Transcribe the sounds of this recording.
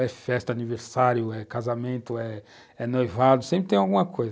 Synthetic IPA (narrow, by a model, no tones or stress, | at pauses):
ɛfɛst̪ɐaniveɾsaɾjʊɛkazamẽnt̪ʊɛ | ɛnojvad̪ʊsẽmpɾɪt̪ẽj̃awɡũmɐkʰojz